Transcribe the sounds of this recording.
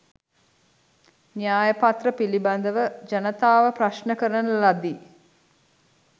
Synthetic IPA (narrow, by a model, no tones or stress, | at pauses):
njaːjəpat̪rəpiliband̪əʋəd͡ʒɐnət̪aːʋəpraʃnəkəɾənəlad̪i